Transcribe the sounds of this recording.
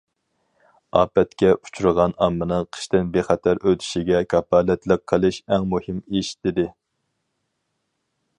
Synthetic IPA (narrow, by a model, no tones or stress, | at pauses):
ɑːpɛt̪kʲɛu̥t͡ʃʰuɾɨʁɑnɑmːɨnɨŋqʰə̥ʃt̪ɪnbeχɛt̪ʰæɾʔøt̪ʰy̥ʃiɡʲɛkʰɑpːɑlɛt̪lˠəq̚ʰːəlˠɨʃɛŋmuhɪmeʃi̥t̪ɪd̪ɪ